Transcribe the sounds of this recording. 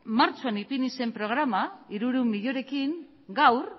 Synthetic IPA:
maɾt͡ʃoanipinise̞mpɾo̞ɣ̞ɾamaiɾuɾumiʎoɾe̞kiŋ | ɡawɾ

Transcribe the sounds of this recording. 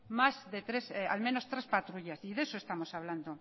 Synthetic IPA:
mazðet̪ɾesa̰lmẽno̞st̪ɾe̞spat̪ɾuʎasiðe̞soe̞st̪amo̞saβland̪o

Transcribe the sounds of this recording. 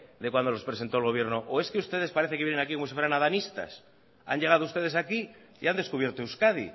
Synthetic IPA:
d̪e̞kwand̪olo̞spɾese̞nt̪o̞lɣo̞β̞je̞ɾnoʔoe̞skeust̪e̞ðe̞spaɾe̞θekejenenakikomosifweɾanaðanist̪a̰s | a̰ɲʝe̞ɣ̞aðoust̪e̞ð̞e̞saki | ḭand̪eskuβje̞ɾt̪ouskaðḭ

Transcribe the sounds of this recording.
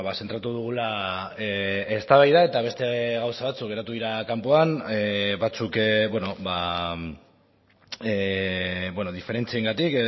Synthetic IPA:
βasent̪ɾat̪uð̞uɣ̞ulaeest̪aβajðae̞t̪aβ̞e̞st̪e̞ɣawsaβat͡suk̚ɡe̞ɾat̪uðiɾakampo̞aneβat͡sukβweno̞βa | e | bwenoðife̞ɾe̞nt͡sieŋɡat̪ik

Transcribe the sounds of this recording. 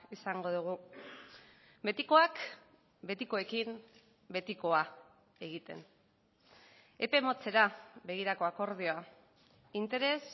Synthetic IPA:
isaŋɡo̞ðuɣ̞u | be̞t̪iko̞ak | be̞t̪iko̞e̞kim | be̞t̪iko̞a | e̞ɣ̞it̪e̞̰n | e̞pe̞mo̞t͡se̞ɾaβe̞ɣ̞iɾako̞ako̞ɾð̞io̞a | int̪e̞ɾe̞s

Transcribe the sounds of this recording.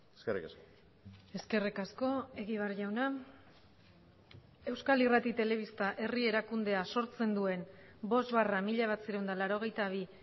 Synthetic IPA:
eskerḭkasko | e̞ske̞rikasko̞e̞ɣiβ̞arʝawna | e̞wskalirat̪it̪e̞le̞βist̪aʔe̞rie̞ɾakund̪e̞aso̞ɾt͡se̞nd̪ue̞nbo̞zβaramiʎaβasiɾewnd̪alaɾo̞ɣ̞e̞jt̪aβ̞i

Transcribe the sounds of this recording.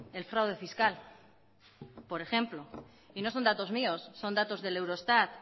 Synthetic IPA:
e̞lfɾawð̞e̞fiskal | po̞ɾe̞xe̞mplo̞ | ino̞so̞nd̪at̪o̞zmio̞sːo̞nd̪at̪o̞zðe̞le̞wɾo̞est̪at̪

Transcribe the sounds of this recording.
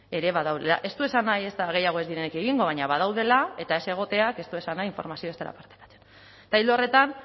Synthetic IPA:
e̞ɾe̞βaðawðela̰ʔe̞st̪ue̞sanaje̞st̪aɣ̞e̞jaɣ̞o̞ezðiɾe̞ne̞ke̞ɣ̞iŋɡo̞β̞aɲaβaðawðe̞lae̞t̪ae̞se̞ɣ̞o̞t̪e̞ake̞st̪ue̞sanajiɱfo̞̰ɾmasioest̪ela̰paɾt̪ḁkḁt͡se̥n | t̪ajlore̞t̪an

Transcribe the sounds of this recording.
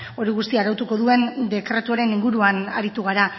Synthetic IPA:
o̞ɾiɣ̞ust̪iaːɾawt̪uko̞ðue̞nd̪e̞kɾe̞t̪uaɾe̞niŋɡuɾuana̰ɾit̪uɣ̞aɾa

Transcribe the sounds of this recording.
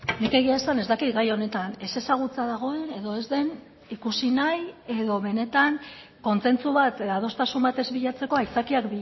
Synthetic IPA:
nike̞ɣiaesane̞zd̪akit̪ɡajo̞ne̞t̪ane̞se̞saɣ̞ut͡saðaɣ̞o̞e̞ne̞ðo̞e̞zðe̞n | ikusinaje̞ðo̞βe̞ne̞t̪aŋ | ko̞nt͡se̞nt͡suβat̪eðaðo̞st̪asumbat̪e̞zβiʎat͡se̞ko̞ajt͡sakiakbi

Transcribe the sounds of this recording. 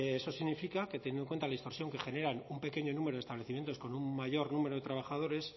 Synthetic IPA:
eso̞siɣnifikaket̪eɲjenoŋkwet̪alaðist̪o̞ɾsjo̞ŋke̞xe̞ne̞ɾanumpe̞ke̞ɲo̞numeɾo̞ðest̪aβle̞θimje̞nt̪osko̞nummaʝo̞ɾnume̞ɾoðe̞t̪ɾaβ̞axaðo̞ɾe̞s

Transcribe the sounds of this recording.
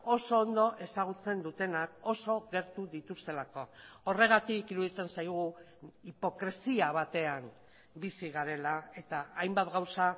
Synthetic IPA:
o̞so̞ːnd̪o̞ʔe̞saɣ̞ut͡se̞nd̪ut̪e̞nako̞so̞ɣe̞ɾt̪uðit̪ust̪e̞lako̞o̞re̞ɣ̞at̪ikiɾuðit͡se̞nsajɣ̞u | ipo̞kɾe̞siaβat̪e̞am | bisiɣaɾe̞lae̞t̪aajmbat̪ɣawsa

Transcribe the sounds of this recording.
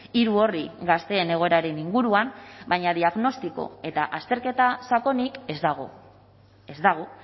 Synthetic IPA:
iɾuo̞riɣast̪e̞ːne̞ɣ̞o̞e̞ɾaɾe̞niŋɡuɾuambajɲaðiaɣno̞st̪iko̞̰e̞t̪aʔast̪e̞ɾke̞t̪asako̞nikezd̪aɣo | e̞zd̪aɣ̞o̞

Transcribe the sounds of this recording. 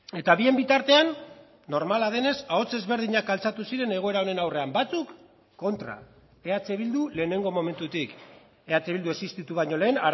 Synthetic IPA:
e̞t̪aβie̞mbit̪aɾt̪e̞anː | o̞ɾmalað̞e̞ne̞sao̞t͡se̞zβe̞ɾð̞iɲakalt͡sat̪usiɾe̞ne̞ɣ̞o̞e̞ɾao̞ne̞nawre̞ambat͡sukː | o̞nt̪ɾa̰ | e̞at͡seβild̪ule̞ːne̞ŋɡo̞mo̞me̞nt̪ut̪ik | e̞at͡seβild̪ue̞sist̪it̪uβ̞aɲo̞le̞ːna

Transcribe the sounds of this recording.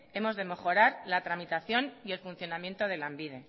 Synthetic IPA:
e̞mo̞zðe̞me̞xo̞ɾaɾlat̪ɾamit̪aθjo̞nie̞lfunθjo̞namje̞nt̪oð̞e̞lambiðe̞

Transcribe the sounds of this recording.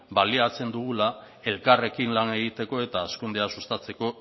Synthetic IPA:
baliat͡se̞nd̪uɣ̞ula | e̞lkare̞kinlane̞ɣ̞it̪e̞ko̞e̞t̪aːskund̪e̞asust̪at͡se̞ko̞

